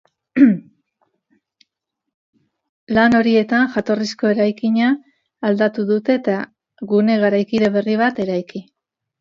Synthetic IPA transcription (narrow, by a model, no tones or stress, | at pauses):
lano̞ɾie̞t̪anʝat̪o̞risko̞e̞ɾajkiɲaː | ld̪at̪uðut̪e̞t̪a | ɣune̞ɣaɾajkiðe̞βe̞riβ̞at̪e̞ɾajki